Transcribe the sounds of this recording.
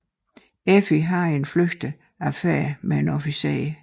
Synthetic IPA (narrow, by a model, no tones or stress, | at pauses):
efiɦɑ̈e̝nfløɡ̥d̥ə | æfeɐmee̝nɔfisḛː